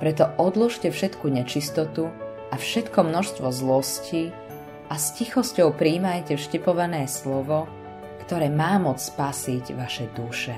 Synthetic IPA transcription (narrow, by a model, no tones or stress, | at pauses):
pɾɛt̪̬ɔʔɔd̪luʃcɛfʃɛt̪kuɲɛt͡ʃist̪ɔt̪u | afʃɛt̪kɔmnɔʃst̪ʋɔzlɔsci | ʔascixɔscɔʊpɾiːmajcɛfʃcɛpɔʋanɛːslɔʋɔ | kt̪ɔɾɛːmaːmɔt͡sspasiɟʋaʃɛd̪uʃɛ